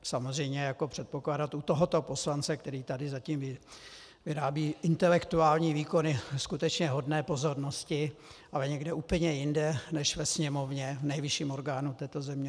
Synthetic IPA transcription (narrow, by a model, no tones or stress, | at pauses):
samozrɛjmɲɛjako̞pr̝̥ɛt̪̚po̞klaːdat̪ut̪oɦo̞t̪o̞po̞slant͡sɛk̚t̪ɛɾiːt̪adɪzaciːmvɪ | vɪɾaːbiːʔɪnt̪ɛlɛkt̪uaːlɲiːviːko̞nɪskut̪ɛt͡ʃɲɛɦo̞dnɛːpo̞zo̞ɾno̞scɪʔalɛɲɛɡdɛʔuːpl̩ɲɛjɪndɛnɛʃvɛsɲɛmo̞vɲɛvnɛjvɪʃiːmo̞ɾɡaːnut̪ɛːt̪o̞zɛmɲɛ